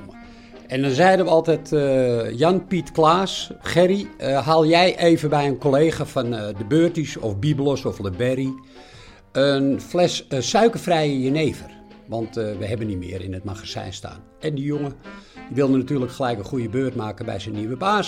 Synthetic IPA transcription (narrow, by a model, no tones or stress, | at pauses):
ɛndɔnzɛjdənʋəɔlˠtɛtjɑnpitklaːsxɛɾiɦaːlˠjɛjʔeːvənbɛjənkoleːχafɑndəbøːrtisɔfbiblosɔfləbɛɾi | ənflɛsəsœɥkərfrɛjəjəneːvər | ʋɑntʋəɦɛbənːitmɪ̰ːəɾɪ̰nətmaxasɛ̰jnsta̰ːn | ɛndijoŋəd̥iʋɪlˠdənatyːrləkxəlɛjkənχujəbøːrtmaːkənbɛ̰jsənːiʋəbaːs